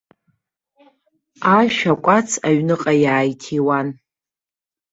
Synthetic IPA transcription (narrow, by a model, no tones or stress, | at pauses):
aʃᶣakʷʼat͡sʰaɥnɨqʼajaːjtʰiwan